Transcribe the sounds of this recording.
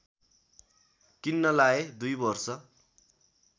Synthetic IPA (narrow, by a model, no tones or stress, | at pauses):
kinːʌlaed̪ujbʌrsʌ